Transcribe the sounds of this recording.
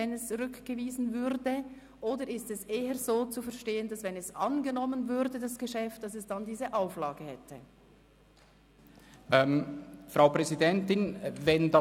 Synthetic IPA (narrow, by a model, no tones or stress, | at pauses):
ɛnɛst͡sʁʏkɡ̥əviːzn̩vʏɾdə | ʔoːdəɪstɛsʔeːəzoːt͡sufɛɐʃteːəndɑsvɛnɛsʔɑnɡənɔmənvʏʁdədasɡ̥əʃɛft̚d̥ɑsɛsd̥andiːzəʔaʊflaːɡəhɛtʰə̰ | ʔɛmfʁaʊpʁɛzidɛntɪnvɛndɑ